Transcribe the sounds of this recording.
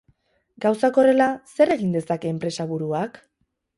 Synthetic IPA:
ɡawsako̞re̞lase̞ɾe̞ɣind̪e̞sake̞ːmpɾe̞saβuɾuak

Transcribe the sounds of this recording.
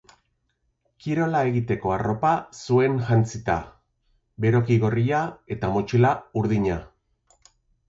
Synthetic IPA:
kiɾo̞lae̞ɣit̪e̞ko̞aro̞pasue̞ŋʝant͡sit̪a̰ | be̞ɾo̞kiɣo̞riae̞t̪amo̞t͡ʃilauɾðiɲa

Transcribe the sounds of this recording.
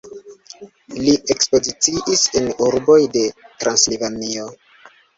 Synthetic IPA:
liekspo̞zit͡siʔisenuɾbo̞jde̞tɾanslivanio̞

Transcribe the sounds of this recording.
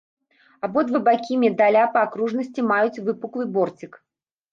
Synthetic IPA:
abɔd̪vɐbakʲimʲɛd̪alʲapɐakɾuʐnɐsʲt͡sʲimajut͡sʲvɨpuklˠɨbɔrt͡sʲik

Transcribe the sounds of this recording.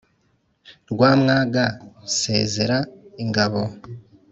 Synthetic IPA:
ɾɡwaːmŋaːɡase̞ːze̞ɾaiŋɡaβo̞

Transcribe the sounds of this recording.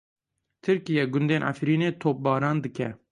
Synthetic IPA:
t̪ʰɨɾkijɛɡʊnd̪eːnʔa̰fɾiːneːt̪ʰoːp̚bɑːɾɑːnd̪ɨkɛ

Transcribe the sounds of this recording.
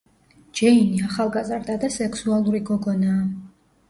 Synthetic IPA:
d͡ʒɛiniaχalˠɡazɾd̪ad̪asɛksualˠuɾiɡɔɡɔnaː

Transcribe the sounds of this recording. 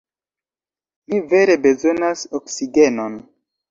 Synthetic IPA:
mive̞ɾe̞be̞zo̞nasoksiɡe̞non

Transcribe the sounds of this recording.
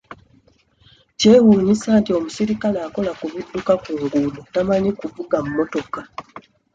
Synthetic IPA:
ce̞ːwuːɲisaːntio̞musiɾikalaːko̞lakuβidːukakuːŋɡuːlutamaɲikuvuɡamumo̞to̞ka

